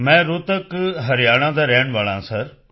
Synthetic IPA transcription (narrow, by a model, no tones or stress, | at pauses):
mɛ̃ːɾʊt̪əkɦɐɾɪjaːɽ̃ãːd̪aːɾɛɦəɽ̃ʋaːɭãsɐɾ